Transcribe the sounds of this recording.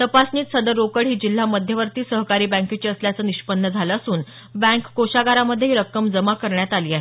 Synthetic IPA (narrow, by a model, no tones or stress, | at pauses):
t̪əpasniːt̪səd̪əɾːokəɽɦiːd͡ʑil̤ːaməd̪ʱjəʋəɾt̪iːsəɦkaɾiːbə̃ŋket͡ɕiːəsljat͡səːniɕpənːəd͡zʱaləːsuːn | bæ̃ŋkːoɕaɡaɾaməd̪ʱjeɦiɾəkːəmd͡zəmakəɾɳjat̪aliːaɦe